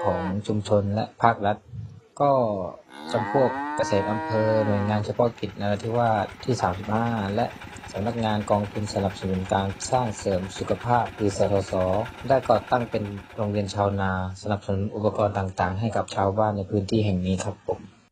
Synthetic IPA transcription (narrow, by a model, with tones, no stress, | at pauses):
kʰɔː˩˦ŋt͡ɕʰu˧mt͡ɕʰo˧nlɛ̰˦˥ʔpʰaː˥˩k̚ɾa˦˥t̪̚kɔː˥˩t͡ɕa˧mpʰu˥˩ək̚ːa˧seː˨˩˦t̪̚ʔa˧mpʰɤː˧nu˨˩əjŋaː˧nt͡ɕʰa˧pʰɔ˦˧˥ki˨˩t̪̚na˧a˧t̪ʰiː˧˥˩waː˥˩t̪ʰiː˥˩saː˩˦msi˨˩p̚haː˥˩lɛ˦˥ʔ | sa˩˦mna˦˥˩k̚ŋaː˧nkɔː˧ŋt̪ʰu˧nsa˧na˨˩p̚sa˧nu˩˦nkaː˧nsaː˥˩ŋsɤː˩˦msu˨˩kʰa˧pʰaː˥˩p̚kɯː˨˦sɔː˨˦˥t̪ʰɔː˨˦sɔː˩˦daː˥˩jkɔː˧˩t̪a˥˩ŋpe˧nɾoː˧ŋɾi˧ənt͡ɕʰaː˧wnaː˧sa˧na˨˩p̚sa˧nu˩˦nʔu˨˩pːa˧kɔː˧nt̪aː˨˩ŋt̪aː˨˩ŋɦa˥˩jka˨˩p̚t͡ɕʰaː˧wbaː˥˩nːa˧jpʰɯː˦˥nt̪ʰiː˥˩ɦɛ˨˩ŋniː˦˥kʰa˦˥p̚ʰːo˨˩˦m